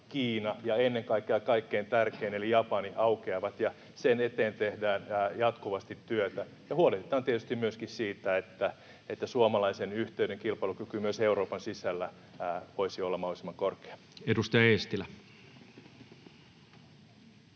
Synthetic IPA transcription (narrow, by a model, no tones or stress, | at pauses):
kiːnɑjɑenːeŋkɑikːeɑkɑikːeːnt̪ærkeːnelijɑpɑniɑukeɑʋɑt̪jɑ | senet̪eːnt̪ehdæːnːjɑt̪kuʋɑst̪it̪ːyøt̪æ | jɑhuoleht̪et̪ɑːnt̪iet̪yst̪imyøskissiːt̪æet̪ːæ | et̪ːæsuomɑlɑisenyht̪eyɾeŋkilpɑilukykymyøseuroːpɑnsisælːæ | ʋoisiolːɑmɑholisimːɑŋkorke̥ɑ̥ | edust̪ɑjɑest̪ilæ